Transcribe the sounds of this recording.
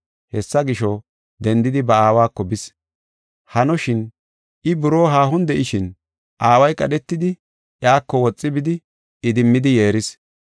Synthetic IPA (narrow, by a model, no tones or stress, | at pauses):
hɛsːɐɡɪʃɔ | d̪ɛnd̪ɪd̪ɪbɐaːwaːkːɔbɪs | hɐnɔʃɪn | ʔɪbʊɾo̞ːɦaːɦʊnd̪ɛʔɪʃɪn | ʔaːwɐjkʼɐɗɛt̪ːɪd̪ɪ | ʔjaːkːɔwɔt͡sʼːɪbɪd̪ɪ | ɪd̪ɪmːɪd̪ɪje̞ːɾɪs